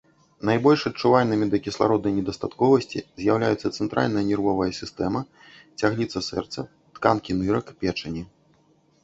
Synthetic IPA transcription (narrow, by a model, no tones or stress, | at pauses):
najbɔlʲʂɐt͡ʂuvalʲnɨmʲid̪ɐkʲislˠa̰ɾɔd̪nɐjnʲɛd̪ɐst̪at̪kɔvɐsʲt͡sʲḭzʲjawlʲajut̪sːɐt̪sɛnt̪ɾʔa̰lʲnɐjɐnʲɛrvɔvɐjɐsʲist̪ɛmɐ | t͡sʲaɣlʲit̪sɐsɛrt̪sɐ | t̪kankʲinɨɾɐkpʲɛt͡ʂɐnʲi